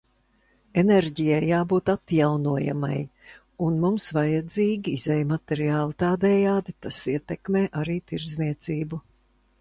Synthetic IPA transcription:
eneɾɟijajːaːbuːt̪at̪jawnuɔja̰ma̰j | unmumsvajad̪ziːɡʲiizɛjmat̪ɛɾiaːlˠit̪aːd̪ɛːjaːd̪it̪asiɛt̪ɛkmeːʔaɾiːt̪iɾd̪zniɛt̪siːbu

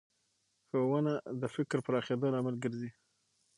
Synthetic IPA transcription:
xowənad̪əfɪkɾpəɾaxed̪ɑlamalɡəɾzi

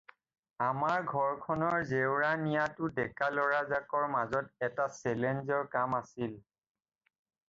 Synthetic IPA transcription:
amaɹɡʱɔɹkʰɔnɔɹzewɹanijatʊdɛkalɔɹazakɔɹmazɔtɛtasɛlɛnzɔɹkamasil

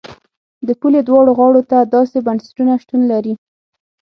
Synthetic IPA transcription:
d̪əpuled̪wɑɽoɣɑɽot̪ad̪ɑsebansɪ̥ʈunaʃt̪unlaɾi

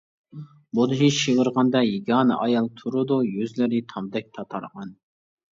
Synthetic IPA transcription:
bud̪ɨɦiʃiʁəɾʁɑnd̪ɑjiɡʲɑːnɨ̰ʔɑjɑlˠt̪ʰuɾɨd̪ujøzlɪɾɪt̪ʰɑmd̪ɛk̚ʲt̪ʰɑt̪ʰɑ̰ɾʁɑn

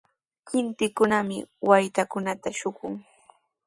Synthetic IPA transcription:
hɪnt̪ɪkʊnamɪ̰wajt̪akʊnat̪aʃʊkʊŋ

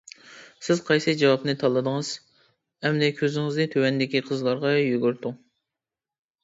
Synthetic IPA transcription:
sɪz̥qʰɑjsɨd͡ʒɑwɑpnɨt̪ʰɑlˠːɨd̪əŋɨz̥ | hɛmd̪ɛkʲʰøzɪŋɪznɨt̪ʰøwɛnd̪ɪkʲiqʰəzlˠɑɾʁɑjyɡʲyɾt̪ʊŋ

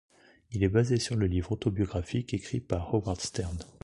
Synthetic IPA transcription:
ilɛbazesyʁləlivʁɔt̪ɔbjɔɡʁafikekχipaʁːɔbaʁd̪st̪ɛʁn

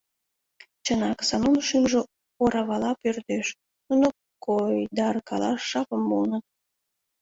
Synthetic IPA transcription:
t͡ɕənɑksɑnunʃymʒe | oɾɑβɑlɑpørd̪eʃ | nuno | kojd̪ɑrkɑ̰lɑ̰ːɑpəmbolnət̪̚

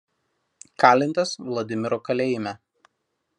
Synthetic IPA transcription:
kɑːlʲɪnt̪ɐsʋlˠɐd̪ʲɪmʲɪɾokɐlʲeːjɪmʲɛ

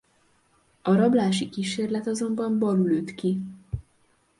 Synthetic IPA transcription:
ɒɾɒblaːʃikiʃeːrlɛt̪ɒzo̞mbɒmbɒlyløt̪ki

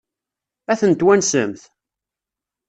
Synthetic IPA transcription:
æθənt̪wænsəmθ

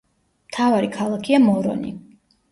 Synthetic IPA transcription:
mt̪ʰavaɾikʰalˠakʰiamɔɾɔ̰nḭ

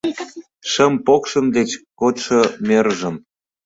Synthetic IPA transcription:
ʃə̆mpokʃə̆md̪et͡ɕkot̪ʃɤ̆meɾʒə̆m

